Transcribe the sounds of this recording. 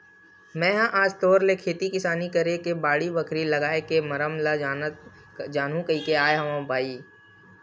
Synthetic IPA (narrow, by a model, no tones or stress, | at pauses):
mɛ̃ːɦãʔaːd͡ʒt̪oːɾlekʰeːt̪ikɪsaːnikɐɾekebaːɽibəkʰɾilɐɡaːekemɐɾəmla | d͡ʒaːnɦũkɐikeaːjeɦɐmãbʱaːiː